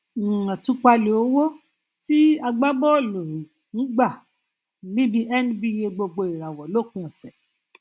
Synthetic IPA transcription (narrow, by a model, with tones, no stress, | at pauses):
ã˨tũ˧˦k͡pa˧le˨o˨˦wo˦ | ti˦a˧ɡ͡ba˦bɔ˦o˦˨lo˨ɾi˨ | n̩˨˦ɡ͡ba˦˨ | lĩ˦bi˧˦ʔɛ˦n˦bi˦e˧ɡ͡bo˧ɡ͡bo˧i˨ɾa˨wɔ˨lo˦˨kũ˧ɔ̃˨sɛ˨